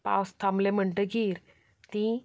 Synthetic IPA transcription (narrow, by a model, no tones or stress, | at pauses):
pa̰wst̪ʰamleməɳʈəɡiːɾ | t̪ĩ